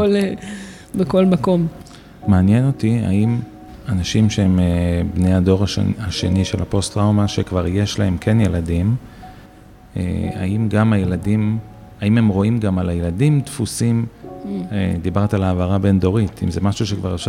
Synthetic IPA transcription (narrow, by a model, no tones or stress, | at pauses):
ol | bekolmako̞m | maːnjeno̞tia̰im | anaʃimʃeemebne̞jado̞ʁa̰aʃe̞niʃelapo̞stʁawmaʃekvaʁje̞ʃlahe̞mkʰe̞nje̞ladim | ḛa̰imɡamajeladim | aime̞mʁo̞imɡamalajeladimtfusim | ed̪ibaʁt̪alaːvaʁabe̞ndo̞ʁit̪ḭmzemaʃuʃekvaʁefʃa